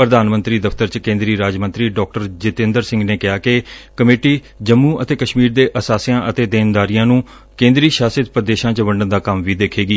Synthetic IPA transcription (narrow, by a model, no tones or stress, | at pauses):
pɾəd̪aːnmə̃nt̪ɾiːd̪əfʰt̪əɾt͡ʃkẽːnd̪ɾiːɾaːd͡ʒmə̃nt̪ɾiːɖɔːk̚ʈəɾd͡ʒɪt̪ẽːnd̪əɾsɪ̃ŋɡneːkɪjaːkɪkəmeːʈiː | d͡ʒəmːũːʔət̪eːkəʃmiːɾd̪eːʔəsaːsijãːʔət̪eːd̪eːnd̪aːɾijãːnũː | kẽːnd̪ɾiːʃaːsɪt̪̚pəd̪eːʃãːt͡ʃʋəɳɖənd̪aːkəmʋiːd̪eːkʰːeːɡiː